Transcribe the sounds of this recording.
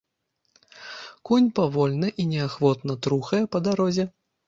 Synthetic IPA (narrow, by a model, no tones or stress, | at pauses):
kunʲpavɔlʲnɨʔinʲɛaxvɔt̪nɐt̪ɾuxɐjɛpɐd̪aɾɔzʲɛ